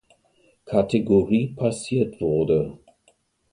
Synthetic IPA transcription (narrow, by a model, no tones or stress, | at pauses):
kʰatʰeɡoʁiːpʰasiːɐtv̥ʊɐdə